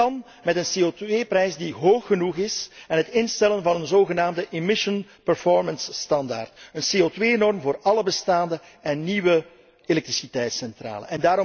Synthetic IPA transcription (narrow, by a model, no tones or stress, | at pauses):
ɑn | mɛtənseːotʋeːprɛjsdiɦoːxːənuxɪsɛnɦətɪnstɛlənvɑnənzoːɣənaːmdəʔemɪʃənpəɹfɔɹmənsːtɑnda̰ːrtənseotʋeːnɔrmvoːɾɑləbəstaːndə | ɛnːiwə | elɛk̚trisitɛjtsɛntra̰ːlə̰nɛndaːɾɔ